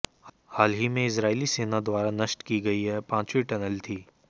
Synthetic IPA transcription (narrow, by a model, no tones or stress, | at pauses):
haːlɦimẽɪsɾaːiliseːnad̪waːɾanɐʃʈkiɡɐiɦɛpãːt͡ʃwiʈɛnəlt̪ʰiː